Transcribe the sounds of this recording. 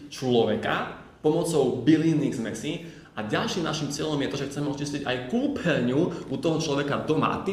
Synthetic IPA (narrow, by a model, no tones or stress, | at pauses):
t͡ʃlɔʋɛka̰ | pɔmɔt͡sɔʊbiliːniːɣzmɛsi | aɟalʃiːmnaʃimt͡sɪɛʎɔmjɛt̪ɔʒɛxt͡sɛmɛɔt͡ʃisciɟa̰jkuːpʰɛɾɲuʔut̪ɔɦɔt͡ʃlɔʋɛkad̪ɔma̰t̪i